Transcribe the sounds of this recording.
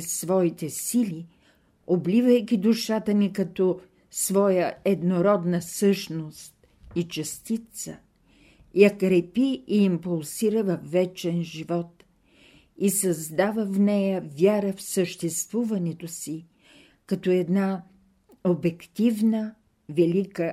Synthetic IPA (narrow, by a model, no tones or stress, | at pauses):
svɔit̪ɛsili | oblivəjkʲid̪ʊʃat̪ənikɐt̪ɔ | svɔjəɛd̪noɾɔd̪nəsɤʃnost̪̚ | it͡ʃɐst̪it̪sə | jakɾɛpiiːmpulˠsiɾəvɐfːɛt͡ʃɛnʒivɔt̪ | isɐzd̪avəfnɛjəvʲjaɾəfsəʃt̪ɛst̪vuvɐnɛt̪osi | kɐt̪ɔɛd̪na | obɛkt̪ivnə | vɛlikə